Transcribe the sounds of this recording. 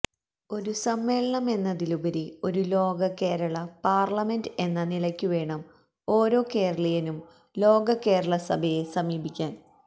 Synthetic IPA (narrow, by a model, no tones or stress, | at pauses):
o̞ɾusɐmːe̞ːɭɐɳɐme̞nːɐðilubɐɾio̞ɾulo̞ːɡɐkːeːɾɐɭɐpaːrlɐme̞nde̞nːɐnilɐkʲːuʋe̞ːɳɐm | o̞ːɾo̞ːke̞ːɾɐɭɐjɐnum | lo̞ːɡɐkːe̞ːɾɐɭɐsɐbʱɐje̞sɐmiːbikʲːaːn